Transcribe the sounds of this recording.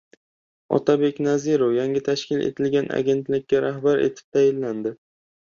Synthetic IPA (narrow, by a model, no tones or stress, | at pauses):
ɒ̰t̪ʰabe̞kʲnazɪɾofjaŋʲɪt̪ʰaʃkʲɪlḛt̪ʰɪlɡʲanʔa̰ɡʲe̞nt̪lɪkʲːaɾahbaɾḛt̪ʰɪ̥p̚t̪ʰajɪlːand̪ɪ